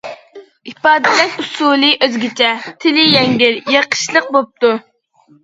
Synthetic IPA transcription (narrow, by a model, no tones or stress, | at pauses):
ipɑːd̪ɨlɛʃusuːlˠɨʔøzɡʲit͡ʃʰɛt̪ʰɪlɪjɛŋɡʲɪɾjəqʰə̥ʃlˠəq̚bop̚t̪u